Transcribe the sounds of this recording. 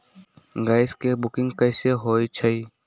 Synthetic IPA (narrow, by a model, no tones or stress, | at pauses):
ɡaːɪskebʊkɪ̃ŋɡkəɪseɦoːit͡ʃʰəi